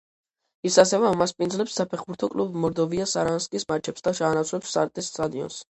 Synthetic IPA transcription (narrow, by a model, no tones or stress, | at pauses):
isasɛvɛamaspʼind̪zlɛpsːapʰɛχbuɾt̪ʰɔkʼlubmɔɾd̪ɔviasaɾanskʼismat͡ʃʰɛpsd̪aʃaːnat̪sʰlɛpsːʼa̰ɾt̪ʼist̪ʼad̪iɔ̰ns